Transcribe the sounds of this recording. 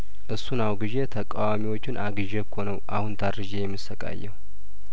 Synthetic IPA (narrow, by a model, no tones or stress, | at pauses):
ʔɨsːunawɡiʒet̪ʰəkʼawamiwo̞t͡ʃːɪnʔaɡɨʒɛkʰːonəwʔahunt̪ʰaɾɾɨʒejɛmːisəkʼa̰jːɛ̰w